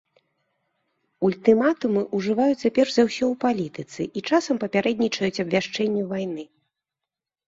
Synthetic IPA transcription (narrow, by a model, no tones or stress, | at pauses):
ulʲt̪ɨmat̪umɨʔuʐɨvajut͡sʲt͡s̪ʲapʲɛrʐzawsʲɔwpalʲit̪ɨt̪sɨʔit͡ʂasɐmpɐpʲaɾɛd̪ʲnʲit͡ʂɐjut͡sʲɐbvʲaʂt͡ʂɛnʲːuvajnɨ